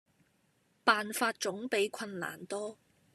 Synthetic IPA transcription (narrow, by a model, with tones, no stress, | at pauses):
paː˨nfaː˧t̚t͡ʃʊ˨˥ŋpe˨˥jkʷʰɐ˧nla̰ː˨˩nt̪ɔː˥